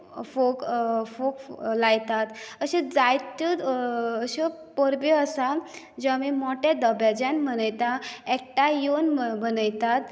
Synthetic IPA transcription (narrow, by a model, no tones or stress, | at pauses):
fokfoklajt̪at̪əɕẽd͡zajt̪əəɕepəɾbeəsa | d͡ʑamimɔʈed̪əbad͡ʑãnm̤ənəjt̪aɛk̚ʈajonmənəjt̪at̪